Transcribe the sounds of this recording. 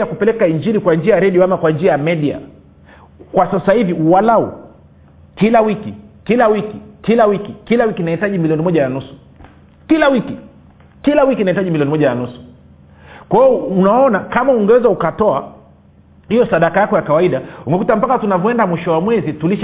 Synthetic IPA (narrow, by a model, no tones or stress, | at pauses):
jakupɛlɛkaiɲd͡ʒiɾikwand͡ʒiajaɾɛɗiɔamakwand͡ʒiajamɛɗia̰ | kwasasahiviuwalaṵ | kilawikikilawikikilawikikilawikinahitaʄimiliɔnimɔʄananusu̥ | kilawiki | kilawikinahitaʄimiliɔnimɔʄananusu̥ | kwaɔunaɔnakamauŋɡɛwɛzaukatɔa | hijɔsaɗakajakɔjakawaiɗauŋɡɛkutam̩pakatunavɔɛndamwiʃɔwamwɛzituliʃ